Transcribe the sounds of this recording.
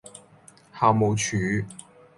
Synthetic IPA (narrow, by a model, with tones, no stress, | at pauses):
haː˨˧wmo˨˧wt͡ʃʰyː˨˧˥